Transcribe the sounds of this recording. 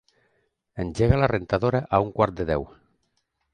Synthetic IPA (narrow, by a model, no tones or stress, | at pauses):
enʲd͡ʒeɣalarent̪aðoɾaʔauŋkwaɾt̪̚d̪eðɛw